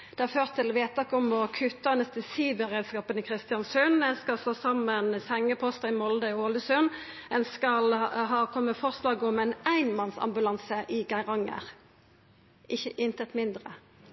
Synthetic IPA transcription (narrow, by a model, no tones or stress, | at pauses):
d̪̥ɛɑʁføːʁt̪ʰːɪlʋeːt̪ɑkːɔmɔkʰʉt̪ːɑnɛst̪əsiːʋəʁɛːd̪skɑːpənəkʰʁɪst̪ɪjɑnsʉnɛnskɑsloːsɑmːənsɛŋːəpʰɔst̪ɑɪmɔld̪əoːləsœn | ɛnskɑlɦɑːkʰɔmːəfɔʁslɑːɡɔmɛnæɪnmɑnsɑ̰mbʉlɑnsəʔɪɡæɪʁɑŋːə̰ʁ | ʔɪçəʔɪnt̪ət̪mɪnd̪ʁə̰